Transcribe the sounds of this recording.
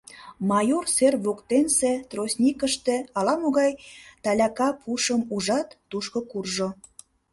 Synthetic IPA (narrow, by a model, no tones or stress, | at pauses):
mɑjorserβokt̪enset̪rosʲnʲikəʃt̪ĕɑlɑmoɣɑjt̪ɑlʲɑkɑpʰuʃəmuʒɑt̪ːuʃkokurʒo